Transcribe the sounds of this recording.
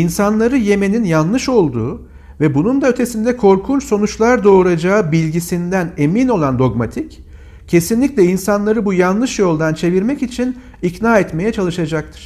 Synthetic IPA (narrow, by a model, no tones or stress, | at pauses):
insanlˠaɾɯje̞me̞ninjanlˠɯʃo̞lˠd̪uː | vɛbunund̪aø̞t̪ʰe̞sind̪ɛkʰo̞ɾkʰunt͡ʃso̞nut͡ʃlˠaɾd̪o̞ːɾad͡ʒaːɯbilʲɟisind̪æne̞mino̞lˠand̪o̞ɡmat̪ʰic | cʰːe̞sinlʲicʲlʲɛinsanlˠaɾɯbujanlˠɯʃjo̞lˠd̪ant͡ʃʰe̞viɾmɛcit͡ʃʰin | icnaːɛt̪me̞jɛt͡ʃʰalˠɯʃad͡ʒak̚t̪ʰɯ̥ɾ̥